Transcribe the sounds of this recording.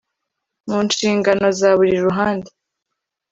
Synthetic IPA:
muːnʃiːŋɡano̞zaβuɾiɾuɦaːnde

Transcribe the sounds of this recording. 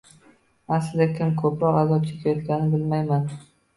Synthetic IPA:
aslɪzakʲʰɪmkʰɵpɾɒqazɒp̚t͡ʃʰekʲʰajɒt̪ɡʲanɪbɪlmajman

